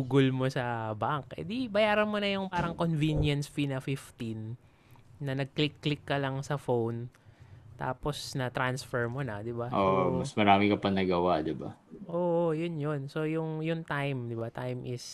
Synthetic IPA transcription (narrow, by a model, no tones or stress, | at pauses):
uɡʊlmosɐbaŋkɛ̰d̪ibɐjaːɾɐnmonɐjʊŋpaːɾɐŋkonvinjɐnsfinɐfɪft̪inː | ɐnɐɡ̚klɪkːlɪkːɐlɐŋsɐfown | t̪a̰ːpo̞snɐt̪ɾansfɛɹmonɐd̪ɪbaʔoʔmɐsmɐɾaːmɪkɐpɐŋnɐɡɐwaʔd̪ɪbaʔoːʔojʊnjonso̞jʊŋjʊŋt̪ajmd̪ɪbat̪ajmʔɪs